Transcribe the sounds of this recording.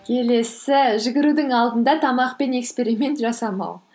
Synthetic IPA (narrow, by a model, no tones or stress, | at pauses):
kʲʰe̞le̞sɪʒɪɡʲɪɾud̪ɪŋɑlˠd̪ənd̪ɑt̪ʰɑmɑqpe̞ne̞kspe̞ɾijme̞nt̪ʒɑsɑmɑ̰w